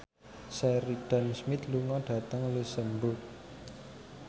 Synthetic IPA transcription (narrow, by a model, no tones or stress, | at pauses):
sɛɾiɖ̥a̤nsmɪt̪luŋɔɖ̥ä̤t̪əŋləsəmbʊt̪̚